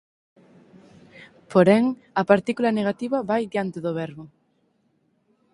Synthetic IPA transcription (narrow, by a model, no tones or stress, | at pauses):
poɾɛŋɐpaɾt̪ikulaneɣat̪iβɐβajd̪jant̪eðoβ̞ɛɾβʊ